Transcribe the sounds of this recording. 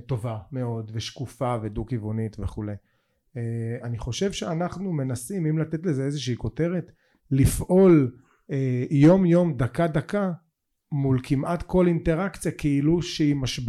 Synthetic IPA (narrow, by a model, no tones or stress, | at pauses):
t̪o̞vame̞o̞d̪veʃkufavedukivonit̪veχulej | eaniχo̞ʃe̞vʃeanaχnume̞nasimimlat̪e̞tlezeezeʃeiko̞te̞ʁet̪ | lifʔo̞l | ejo̞mjo̞md̪akad̪aka | mulkʰimʔat̪ko̞linteʁakt͡sijakeiluʃeimaʃb